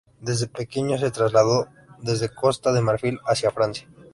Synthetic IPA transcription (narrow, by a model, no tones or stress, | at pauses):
d̪e̞zðe̞pe̞keɲos̬e̞t̪ɾazlaðo̞ | ðe̞zðeko̞st̪aðe̞maɾfilasjafɾansjḁ